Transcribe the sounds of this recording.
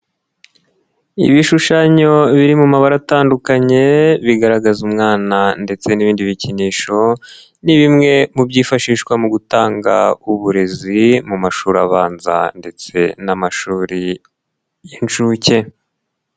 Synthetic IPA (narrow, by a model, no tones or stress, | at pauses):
ḭβiʃuʃaɲo̞βiɾimumaβaɾataːndukaɲe̞βiɡaɾaɡazumŋaːnande̞t͡se̞niβiːndiβiciniːʃo̞ | niβimŋe̞mubɟiːfaʃiːʃkwamuɡutaːŋɡa̰uβuɾe̞zimumaʃuːɾaβaːnza̰nde̞t͡se̞namaʃuːɾi | jinʃuce̞